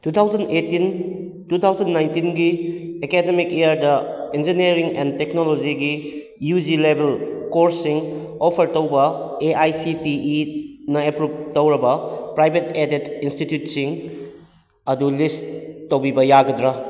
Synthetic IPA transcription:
tut̪ʰawzɐndetin | tut̪ʰawzɐnːajntinɡiekedemikejaɾdɐend͡ʒinieɾiŋenteknolod͡ʒiɡi | jud͡ʒilebelkoɾsiŋ | opʰɐɾtowbɐeʔajsitiːnɐepɾup̚tɐwɾɐbɐpɾajbʱetedetinstitjutsiŋ | ɐdulistowbibɐjaɡɐdɾa

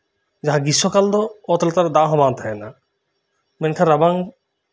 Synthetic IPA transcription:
d͡ʒaɦãɡiʃɔkald̪ɔɔt̪ɔlt̪aɾd̪aɦɔ̃bãnt̪ɦɛna | menkʰaɾabaŋ

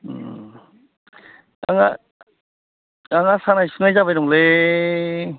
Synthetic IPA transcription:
aŋa | aŋasanajsɯnajzabajɾɔŋle

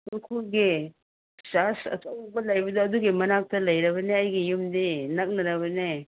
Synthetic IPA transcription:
tukʰulɡi | sasɐ̰tɐw̚bɐlɐjbɐdɐːduɡimɐnak̚tɐlɐjɾɐbɐneɐjɡijumdinɐk̚nɐɾɐβɐne

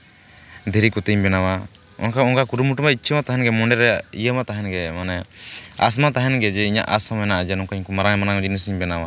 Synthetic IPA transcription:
d̪ʱɛɾikut̪əɲbɛnawa | ɔ̰nkaɔnkakuɾumuʈumait͡ʃʰəmat̪aɦɛnɡɛmɔɳɖɛɾɛijəmat̪aɦɛnɡɛmanɛa̰s̬mat̪aɦɛnɡɛd͡ʒɛiɲa̰ʔasɔmɛnaʔad͡ʒɛnɔŋkaɲkɔmaɾaŋɛmanaŋd͡ʒinis̬iɲbɛnawa

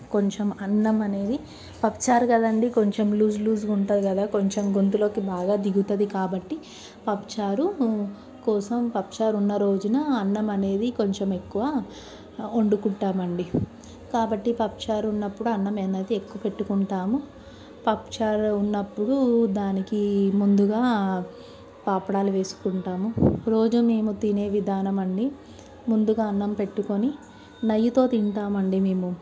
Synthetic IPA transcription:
ko̞ɲt͡ʃemɐnːɐmɐne̞ːd̪i | pɐpt͡ʃaːɾkɐd̪ɐɳɖiko̞ɲt͡ʃe̞mluːd͡ʒluːzɡuɳʈɐd̪ikɐd̪aːko̞ɲt͡ʃe̞mɡo̞nt̪ulo̞ːkibaːɡaːd̪iɡut̪ɐd̪ikaːbɐʈːi | pɐpt͡ʃaːɾu | kɔːsɐmpɐpt͡ʃaːɾunːɐɾo̞ːd͡ʒɐnɐːnːɐmɐne̞ːd̪iko̞ɲt͡ʃeme̞kːuʋaː | oɳɖukuɳʈaːmɐɳɖi | kaːbɐʈːipɐp̚t͡ʃaːɾunːɐpːuɽuɐnːɐmenɐd̪iekːuʋɐpe̞ʈːukuɳʈaːmu | pɐpt͡ʃaːɾunːɐpːuɽud̪aːnikimund̪uɡaː | paːpɐɽaːluʋe̞ːsu̥kuɳʈaːmuɾo̞ːd͡ʒume̞ːmut̪ine̞ːʋid̪ʱaːnɐmɐɳɖi | mund̪uɡaːɐnːɐmpe̞ʈːuko̞ni | nɐjːut̪o̞ːt̪iɳʈaːmɐɳɖime̞ːmu

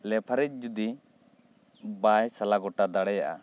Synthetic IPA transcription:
lɛpʰaɾɛc̚ˀd͡ʒud̪i | bajsalaɡɔʈad̪aɽɛjaʔa̰

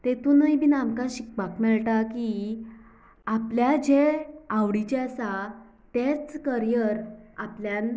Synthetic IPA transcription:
t̪et̪uːnəjbinamkãɕik̚bakmɛɭʈaki | apljad͡ʑeaʋɽit͡ɕesa | t̪et͡skəɾijəɾapljan

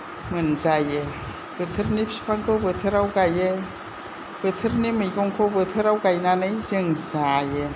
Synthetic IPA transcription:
mɯnzaje | b̥ɯt̪ʰɯɾnipsi̥pʰaŋkʰɯwbɯt̪ʰɯɾawɡaje | b̥ɯt̪ʰɯɾnimɯjɡɔŋkʰobɯt̪ʰɯɾawɡajnanɯjzɯŋzaje

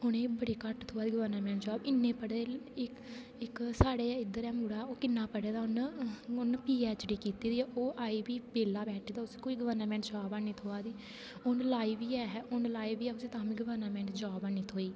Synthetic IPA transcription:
ʊnẽːbəɽeːkəʈt̪ʰoːaːd̪iːɡəʋəɾnːmɛ̃ːɳʈd͡ʒɔːbɪnːẽːpəɽeːɪk | ɪksaːɽeːɪd̪əɾɛːmuːɽaːoːkɪnːaːpəɽeːd̪aːʊnʊnpiːɛːt͡ʃɖiːkiːt̪iːd̪iːɛːʔoːʔaːiːbiːbeːlaːbɛːʈʰeːd̪aːʊskoːiːɡəʋəɾnːmɛ̃ːɳʈd͡ʒaːbaːniːt̪ʰoːaːd̪iː | ʊnlaːiːʋiːɛːɦɛʊnlaːiːʋiːɛːʊseːt̪ãːmĩːɡəʋəɾnəmɛ̃ːɳʈd͡ʒaːbaːniːt̪ʰoːiː

